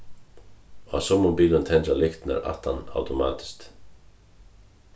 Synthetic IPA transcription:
a̰sɔmʊmbiːlənt̪ʰɛnt̪alɪkt̪næ̰ɾa̰ht̪ana̰wt̪ʊmɑ̰ːt̪ɪ̥st̪

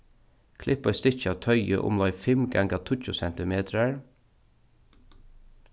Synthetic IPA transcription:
kʰlɪpɔʏst̪ɪt͡ʃat̪ʰœʏə̰ʔʊ̰mlɔʏfɪmɡa̰ŋɡat̪ʰʊt͡ʃʊsɛnt̪ɪmeːt̪ɾəɹ

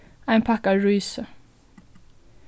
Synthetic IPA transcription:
æɪnpʰɑkɑɹyːsə

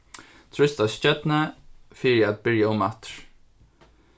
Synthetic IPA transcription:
t̪ʰɹʏst̪ascœt̪nəfiːɹɪæt̪̚bɪɹjaʊmat̪ɹ̥

